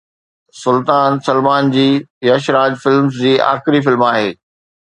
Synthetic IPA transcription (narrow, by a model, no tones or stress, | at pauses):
sʊlt̪aːnsɐlmaːnd͡ʑiːjaʃɾaːd͡ʑfɪlmzd͡ʑiːa̰ːxɾifɪlmaːɦeː